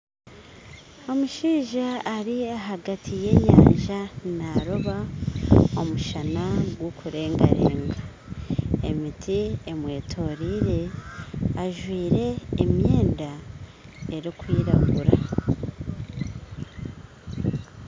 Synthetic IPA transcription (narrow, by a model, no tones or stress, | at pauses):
o̞muʃiːʒaːɾiaɦaɡatʰije̞ːɲa̰ːɲʒanaɾoβa | o̞muʃanaɡwokʰuɾe̞ːŋɡa̰ɾe̞̰ːŋɡa | emitʰiemwe̞ːtʰo̞ɾiɾe̞ | aʒwiːɾe̞ːmjeːnda | eɾikwiːɾa̰ɡuɾa̰